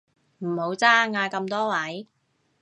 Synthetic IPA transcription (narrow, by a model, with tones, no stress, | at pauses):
m̩˨˩ho˨˥wt͡saː˥ŋaː˧kɐ˧mt̪ɔː˥wɐ˨˥j